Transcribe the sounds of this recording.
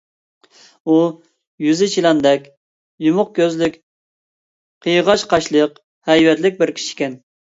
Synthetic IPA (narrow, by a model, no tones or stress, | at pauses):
u | jyzɪt͡ʃʰilɑnd̪ɛkʲ | jumʊq̚kʲʰøzlykʲ | qʰəjʁɑʃqʰɑʃlˠəq | hɛjwɛt̪lɪk̚ʲbɪɾkʲʰi̥ʃi̥kʲɛn